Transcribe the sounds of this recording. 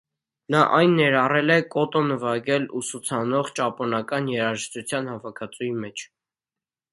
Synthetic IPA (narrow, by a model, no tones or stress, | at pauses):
nɑʔɑjnːɛɾɑrɛlɛkʼɔt̪ɔnəvɑɡɛlusut͡sʰɑnɔʁt͡ʃɑpɔnɑkɑnjɛɾɑʒəʃt̪ut͡sʰjɑnhɑvɑkʰɑt͡sujimɛt͡ʃʰ